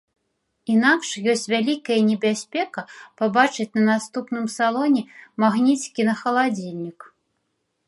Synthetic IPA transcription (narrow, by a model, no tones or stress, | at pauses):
inakʂjɔsʲt͡sʲvʲalʲikɐjɐnʲɛbʲasʲpʲɛkɐpabat͡ʂɨt͡sʲnɐnast̪upnɨmsalˠɔnʲɛmaɣnʲit͡sʲkʲinɐxɐlˠad͡zʲilʲnʲik